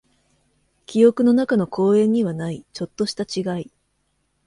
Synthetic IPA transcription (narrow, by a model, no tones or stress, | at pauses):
kʲijo̞kɯ̟no̞nakano̞kʰo̞ːẽ̞ɲ̟ːiβanait͡ɕo̞t̪ːo̞ɕi̥t̪at͡ɕiɡai